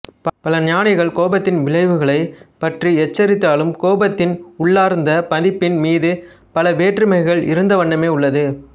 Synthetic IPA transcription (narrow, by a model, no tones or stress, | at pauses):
pɐlɐnɪjaːnɪɣɐɭkoːbɐt̪ːɪnʋɪɭɐɪʋɯɣɐɭɐɪpɐʈriɛt͡ʃːɐɾɪt̪ːaːlɯmkoːbɐt̪ːɪnʊɭːaːɾnd̪ɐpɐðɪpːɪnmiːðɯ | pɐlɐʋeːʈrɯmɐɪɣɐɭɪ̰ɾɯnd̪ɐʋɐɳːɐmeːʊɭːɐðɯ